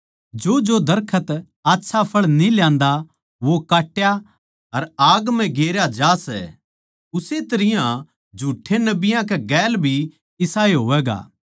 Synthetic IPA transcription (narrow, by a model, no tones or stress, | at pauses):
d͡ʒoːd͡ʒod̪ɐɾkʰət̪ | aːtːʃʰapʰɐɭniljãːnd̪a | ʋokaːʈːja | ɐɾaːɡm̤ɛ̃ɡeːɾjad͡ʒaːsɛ̰ | ʊset̪ɐɾɪjã | d͡ʒʱuːʈʰːenɐbɪjãk̬eɡɛːlbʱi | ɪsaːeɦoːʋɛːɡa̰ː